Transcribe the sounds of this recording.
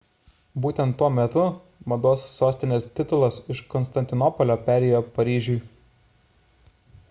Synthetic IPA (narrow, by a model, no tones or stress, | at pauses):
buːt̪ʲɛnt̪ːuɔmʲɛt̪ʊ | mɐd̪oːsːoːsʲt̪ʲɪnʲeːst̪ʲɪt̪ʊlˠɐsɪʃkɔnst̪ɐnʲt̪ʲɪnɔpɔlʲoːpʲæːɾʲɛjoːpɐɾʲiːʒʲuj